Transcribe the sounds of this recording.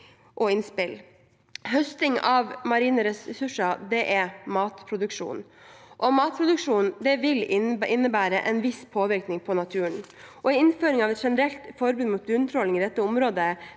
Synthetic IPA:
ʔɔɪnspɪl | ɦœst̪ɪŋɑʋmɑɾiːnəɾɛsɾɛsʉʂɑd̪ɛʔɛmɑːt̪pʰɾʊd̪ʉkʂṵːnʔɔmɑːt̪̚pʰɾʊd̪ʉkʂuːnd̪ɛʋɪlʔɪnːəbæːɾəʔɛnʋɪspʰoːʋɪɾknɪŋpʰɔnɑt̪ʰʉːəɳʔɔɪɪnføːɾɪŋɑʋɛt̪ʂɛnəɾɛlt̪fɔɾbʉːd̪mʊːt̪̚b̪ʉnt̪ʰɾɔlɪŋɪd̪ɛt̪ːəʊmɾoːd̪ə

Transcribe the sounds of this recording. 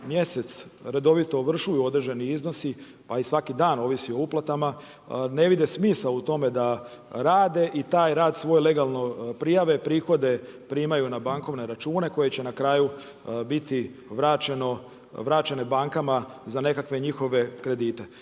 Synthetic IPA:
mje̞se̞t̪sɾe̞d̪o̞ʋit̪o̞ʋr̩ʃujuo̞d̪ɾeʒeniizno̞si | paisʋakid̪aːno̞ːʋisio̞uplˠat̪ama | ne̞ʋid̪esmiːsaut̪o̞me̞d̪a | ɾaːd̪e̞ʔit̪aːjɾaːd̪sʋo̞ːjle̞ɡalˠno̞pɾijaʋe̞pɾiːxo̞d̪e̞pɾiːmajunabaŋko̞ʋne̞ɾat͡ʃuːne̞ko̞je̞t͡ɕe̞nakɾaːju | bit̪iʋɾat͡ʃeno̞ | ʋɾaːt͡ʃe̞nebaŋkamazane̞kakʋe̞ɲixo̞ʋe̞kɾe̞d̪iːt̪e̞

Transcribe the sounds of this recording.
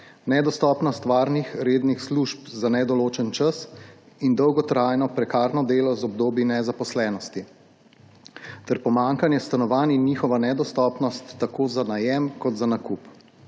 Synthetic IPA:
nɛd̪ɔst̪ɔːpnɔst̪ʋaːɾnixɾeːd̪nixsluʃpzanɛd̪ɔloːt͡ʃɛnt͡ʃas | ind̪ɔwɡɔt̪ɾajnɔpɾɛkaːɾnɔd̪eːlɔzɔbd̪oːbinɛzapɔslɛːnɔst̪i | t̪ɛɾpɔmaŋkanjɛst̪anɔʋaːninːiːxɔʋanɛd̪ɔst̪ɔpnɔst̪ːakoːzanajɛmkɔt̪zanakup

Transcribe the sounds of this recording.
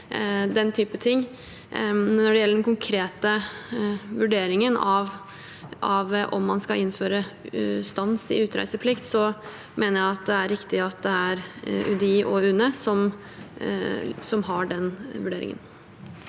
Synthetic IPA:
d̪ɛnt̪ʰyːpət̪ʰɪŋː | nɔɖɛjɛlːəɖɛnkʊŋkʰɾeːt̪ə | ʋʉɖeːɾɪŋənɑʋ | ʔɑʋʔɔ̰mːɑnskɑɪnːføːɾəst̪ɑnsɪ̰ʉːt̪ɾæ̰ɪsəpʰlɪkt̪sɔ | mʔeːnəɾjæɪɑt̪̚d̪ɛæɾːɪkt̪ɪɑt̪̚d̪ɛæɾʉ̰d̪iːʔɔʉːnəsɔm | sɔmɦɑɖɛnʋʉɖeːɾɪ̰ŋə̰n

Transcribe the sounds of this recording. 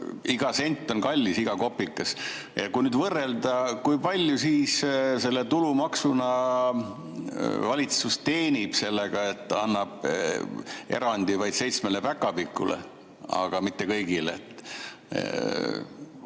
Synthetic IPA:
iɡ̥ɑse̞nʲt̪ːˑo̞nkɑlʲːisiɡ̥ɑko̞pːˑikːˑɑs | jɑ̰kujnyːd̪vɤrːe̞ld̪ɑkujpɑlʲjusiːsse̞lːet̪ulumɑksunɑ | vɑlʲit̪sust̪e̞ːnib̥se̞lːeɡ̥ɑe̞t̪ːɑnːɑb̥̚ | e̞̰ɾɑnʲd̪̥ivɑjd̪̥se̞jt̪smelepækːˑɑpikːˑṵlḛ | ɑ̰ɡ̥ɑmit̪ːe̞kɤjɡileet̪ːˑ

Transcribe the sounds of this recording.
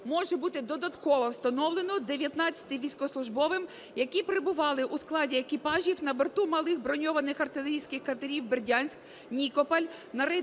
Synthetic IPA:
mɔʒɛbut̪ɪd̪ɔd̪ɐt̪kɔʋɔwst̪ɐnɔwlˠenɔd̪eʋʲjɐt̪nɑt͡sʲɐ̥t̪ɪjʋʲijsʲkɔslˠʊʒbɔʋɪm | jɐkʲipɾebʊʋɑlˠɪʔusklˠɑdʲiekʲipɑʒʲiwnɐbert̪umɐlˠɪxbɾɔnʲɔʋɐnɪxɐrt̪ɪlʲˠeɾʲijsʲkɪxkɐt̪ɐɾʲiwberʲdʲɑnʲsʲk | nʲikɔpɐlʲ | nɐɾɪ

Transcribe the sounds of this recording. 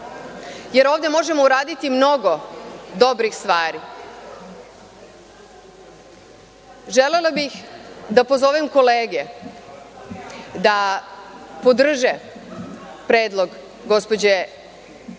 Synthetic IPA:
jeɾo̞ːʋd̪emo̞ʒemo̞uɾaːd̪it̪imno̞ɡo̞d̪o̞bɾixst̪ʋaːɾi | ʒelelabixd̪apo̞zoːʋimko̞leːɡe | d̪a | pod̪r̩ʒe | pɾeːd̪lˠo̞ɡ | ɡo̞spo̞d͡ʑe

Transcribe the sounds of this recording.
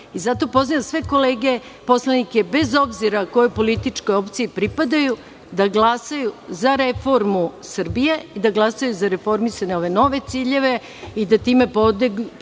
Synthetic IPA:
izat̪o̞po̞znijasʋeko̞leːɡe̞ | po̞slanike̞be̞zo̞bziɾako̞jopo̞lit̪it͡ʂkojo̞pt̪siipɾipad̪aju | d̪aɡlˠasajuzaɾefo̞ɾmusɨr̩bijeid̪aɡlˠasajuzaɾe̞fo̞ɾmisaɲeo̞ʋe̞no̞ʋe̞t̪siːʎe̞ʋe̞ | id̪at̪iːme̞po̞d̪eɡ

